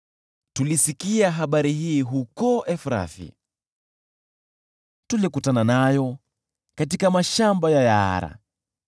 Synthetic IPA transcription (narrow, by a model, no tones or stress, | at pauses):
tulisikiaɦaɓaɾiɦiːɦukɔʔɛfɾa̰fḭ | tulikutananajɔ | katikamaʃambajajaa̰ɾa̰